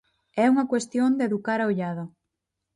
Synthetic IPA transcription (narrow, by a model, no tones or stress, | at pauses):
ɛuŋɐkwest̪jond̪eðukaɾaoʎaðʊ